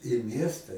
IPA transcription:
ɪ ˈmʲiɛstɐ

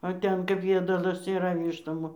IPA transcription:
oː ˈtʲɛn kɐp ˈjiɛdɐlˠɐs iːˈrɐ ˈʋʲiːʃtoːm

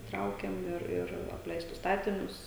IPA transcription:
ˈtrɐʊkʲɛm ˈɪr ɪr ɐpʲˈlʲɛɪstʊs ˈstɑːtʲɪnʲʊs

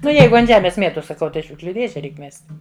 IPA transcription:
ˈnʊ ˈjɛɪɡʊ ɐnt ˈʒʲæːmʲeːs ˈmʲiɛtoːs sɐˈkɐʊ ˈtɐɪ ɪ ˈʃʲʊkʃʲlʲʊ ˈdʲeːʒʲɛ ˈrʲɛɪk ˈmʲɛsʲtʲ

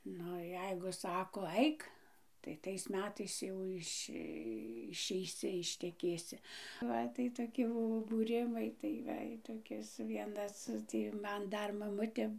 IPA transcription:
ˈnʊ ˈjɛɪɡʊ ˈsɑːkoː ˈɐɪk tɐɪ ˈtɐɪs ˈmʲæːtɐɪs ˈjɛʊ ɪʃʲ ɪʃʲɛɪˈsʲɪ ɪʃʲtʲɛˈkʲeːsʲɪ ˈʋɐ tɐɪ toːˈkʲɪ ˈbʊʋoː buːˈrʲɪmɐɪ tɐɪ ˈʋɐ ɪ toːˈkʲɪs ˈʋʲiɛnɐs ˈtʲiː ˈmɐn ˈdɐr mɐˈmʊtʲeː

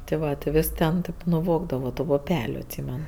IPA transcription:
tʲɪ ˈʋɐ tʲɪ ˈʋʲɪs tʲɛn ˈtʲeːp nʊˈʋoːɡdɐʋoː tʊ pʊˈpʲæːlʲʊ ɐtʲˈsʲiːmʲɛn

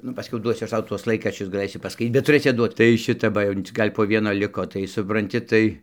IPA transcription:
ˈnʊ pɐˈsʲkʲɛʊ ˈduɔsʲʊ ˈɐʃ ˈtɐʊ ˈtuɔs ˈlˠɐɪkrɐʃʲt͡ʃʲʊs ɡɐˈlˠɘsʲɪ pɐˈskɐɪt bʲɛt tʊˈrɘsʲɪ ɐdˈduɔt tɐɪ ˈʃʲɪtɐ ˈbɐ jɛʊ t͡sʲɪk ˈɡɐlʲ poː ˈʋʲiɛnoː ˈlʲɪkoː tɐɪ sʊprɐnʲˈtʲɪ ˈtɐɪ

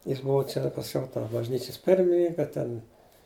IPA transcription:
jɪs ˈbʊʋɐ ˈt͡ʃʲɛ pɐsʲˈkʲɛʊ toː bɐʒʲˈnʲiːt͡ʃʲɛs ˈpʲɪrʲmʲɪnʲɪŋkɐ tʲɛn

